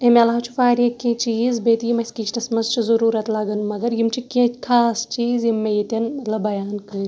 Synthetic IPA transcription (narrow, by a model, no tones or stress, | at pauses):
emʲɐlaɦɐt͡ʃʰu̥faːɾijekʲẽːt͡ʃiːzbeːt̪ijimɐsʲkit͡ʃʰt̪ɐsmɐnzt͡ʃʰizɐɾuːɾɐt̪lɐɡɐnumɐɡɐɾjimt͡ʃʰikʲẽkʰaːst͡ʃiːzimːejit̪ʲɐnlɐbɐjaːnkɐːɾʲ